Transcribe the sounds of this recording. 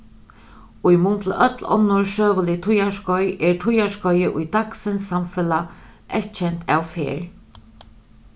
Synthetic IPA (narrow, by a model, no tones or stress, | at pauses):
ʊjmʊnt̪lʔœt̪lɔ̰nːʊɹʃøːʋəlɪt̪ʰʊjaʂkɔjʔɛɹtʰʊjaʂkɔjɪʔʊjd̪aksɪnsːamfɪlaʔɛt̪t͡ʃʰɛnt̪ʰa̰wfḛːɹ